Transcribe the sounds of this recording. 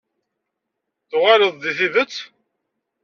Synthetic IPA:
θʊʁaɾəðˤðiθiðət͡sː

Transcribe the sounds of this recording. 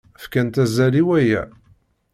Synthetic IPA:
fkænt̪æzæliwæjæ̰

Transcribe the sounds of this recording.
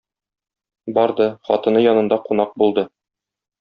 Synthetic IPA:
bɒɾd̪ɤχɒt̪ɤ̆nɤjɒnɤ̆nd̪ɑqunɑq̚bulˠd̪ɤ

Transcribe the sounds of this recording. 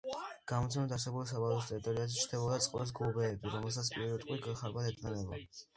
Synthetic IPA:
ɡ̥amɔt̪sʰɛmɛd̪aɾs̬ɛbulɔs̬abalɔst̪ʼɛɾit̪ʼɔɾiazɛt͡ʃʰɾt̪ʰɛbɔd̪at̪sʼqʼlɛs̬ɡlɔbɛːbiɾɔmɛlˠsat̪sʰpʼiɾvɛt̪ʼqʼwiɡaχaɾbad̪ʰɛt̪ʼanɛbɔ

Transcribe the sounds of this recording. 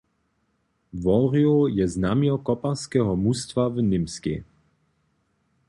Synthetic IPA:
vɔɾiojɛznamiɔkɔpaskɛɦɔmust̪vavnɪmskḭ

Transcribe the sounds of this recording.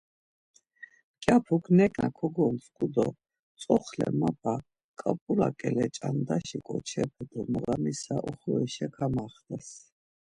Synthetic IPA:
kʼjapʰukʰnɛkʼnakʰɔɡɔnskʼud̪ɔ | t͡s̪ʼɔχlɛ̰mapʼa | kʼapʼulakʼɛlɛt͡ʃʼand̪aʃikʼɔt͡ʃʰɛpʰɛd̪ɔmɔʁamisaʔɔχɔɛʃɛkʰamaχd̪as

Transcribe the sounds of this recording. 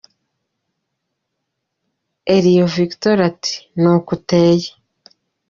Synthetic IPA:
eɾijoviktoɾati̥nokuteːje

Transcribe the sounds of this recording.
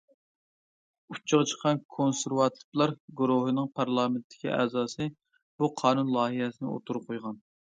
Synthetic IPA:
ut͡ʃʰːəʁət͡ʃʰə̥qʰɑnkʰonsɪɾwɑt̪ʰɨ̥plˠɑɾɡuɾoɦɨnɨŋpʰɑɾlˠɑːmɪnt̪ʰːɪ̥kʲḭʔɛ̰ːzɑːsɨ | b̥uqʰɑːnunlˠɑːɦɨɦɛsɪnɪ̰o̰t̪ʰuɾuqʰojʁɑn

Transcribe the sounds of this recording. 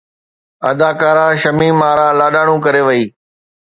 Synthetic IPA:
ɐ̰d̪aːkaːɾãːʃɐmiːmaːɾaːlaːɗaːɽ̃ũːkɐɾeːʋəiː

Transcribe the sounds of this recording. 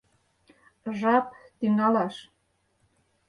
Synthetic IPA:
ʒɑpt̪yŋɑlɑʃ

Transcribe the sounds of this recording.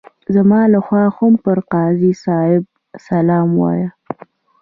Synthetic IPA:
zamɑlaxwɑxʊmpəɾqɑːzisɑɪb̚ | salɑmwɑ̰ja

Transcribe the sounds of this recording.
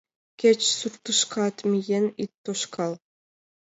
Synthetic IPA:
kʲet͡ʃsuɾt̪ɯʃqʰɑt̪mijenit̪ːoʃkʰɑlˠ

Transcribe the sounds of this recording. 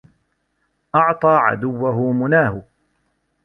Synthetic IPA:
ʔɑʕt̪ˤɑːʕa̰d̪ʊwːaɦʊmʊnaːhʊ

